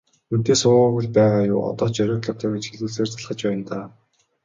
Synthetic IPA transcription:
ut̪eːsʊːʁːɣuɮpæːʁaːjʊ̰ːɔ̰t̪ɔːt͡ɕœɾʲɔ̆ːkɮɔ̥̆t̪ʰœːɡet͡ɕxeɮuːɮseːrt͡sʰaɮχə̆t͡ɕpæːjə̆nt̪aː

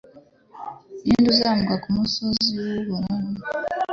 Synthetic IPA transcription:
iːnduzaːmuɡakumusoziwoβuɾana

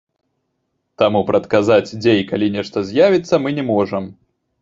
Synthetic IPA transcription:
t̪amupɾɐt̪kazad͡zʲd͡zʲejkalʲinʲɛʂt̪ɐzʲjavʲit̪sːɐmɨnʲɛmɔʐɐm

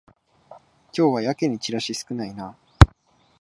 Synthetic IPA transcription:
kʲo̞ːβajakeɲ̟it͡ɕiɾaɕisɨ̥kɯ̟naina

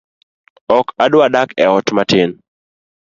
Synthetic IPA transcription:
ɔkadwadakɛɔtmatɪn

